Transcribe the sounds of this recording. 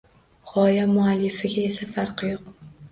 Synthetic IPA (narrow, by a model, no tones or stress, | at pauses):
χɒjamʊalːɪfɪɡʲae̞safaɾqɨjoq̚